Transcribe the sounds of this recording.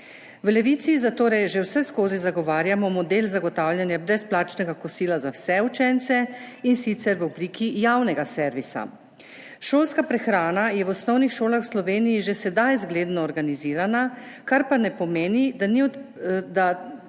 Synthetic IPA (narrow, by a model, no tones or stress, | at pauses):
wlɛʋit̪sizat̪oːɾɛjʒewsɛskoːzizaɡɔʋaːɾjamɔmɔd̪eːlzaɡɔt̪awljanjabɾɛsplaːt͡ʃnɛɡakɔsiːlazawsɛut͡ʃɛnt̪sɛinsit̪sɛɾʋɔbliːkʰijawnɛɡasɛɾʋisa̰ | ʃoːlskapɾɛxɾaːnajɛʋɔsnɔwnixʃoːlaxwslɔʋeːnijiʒesɛd̪ajzɡleːd̪nɔːɾɡaniziːɾanakaɾpanɛpɔmeːnid̪aniɔ | d̪a